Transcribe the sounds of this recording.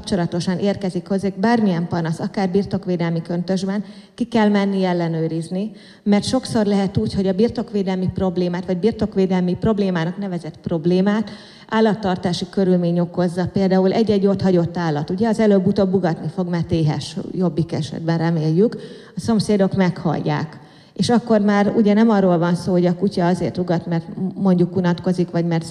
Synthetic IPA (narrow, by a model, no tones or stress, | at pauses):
pt͡ʃo̞lɒt̪o̞ʃɒneːrkɛzikho̞zeɡbaːrmiɛmpɒnɒsɒkaːrbiːrt̪o̞kʋeːd̪ɛlmikønt̪ø̞ʒbɛn | kikɛlmɛnːiɛlːɛnøːɾizni | mɛrt̪ʃo̞kso̞rlɛɦɛt̪uːcho̞ɟɒbirt̪o̞kʋeːd̪ɛlmipro̞bleːmaːt̪ʋɒɟbiːrt̪o̞kʋeːd̪ɛlmipro̞bleːmaːnɒknɛvɛzɛt̪pro̞bleːmaːt̪ | aːlːɒt̪ːɒrt̪aːʃikøɾylmeːɲo̞ko̞zːɒpeːld̪aːulʔɛɟːɛɟːo̞t̪hɒɟo̞t̪ːaːlːɒt̪uɟɛɒzɛløbːut̪obːuɡɒt̪nifo̞ɡmɛrt̪eːɦɛ̰ʃjo̞bːikɛʃɛ̰d̪̚bɛnrɛmeːjːyk | ɒso̞mseːd̪o̞kmɛkhɒ̰jːa̰ːk | eːʃɒkːo̞rmaːɾuɟɛnɛmɒrːoːlvɒnsoːɦo̞ɟɒkucɒɒzeːrt̪uɡɒt̪mɛrt̪mo̞ɲɟukunɒt̪ko̞zikʋɒɟmɛrt̪